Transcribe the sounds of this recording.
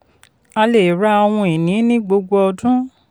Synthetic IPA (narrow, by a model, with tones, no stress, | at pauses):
a˧le˨ɾa˦ɔ˧w̃ɔ̃˧e˨nĩ˨˦nĩ˦ɡ͡bo˧ɡ͡bɔ˧ɔ˧dũ˦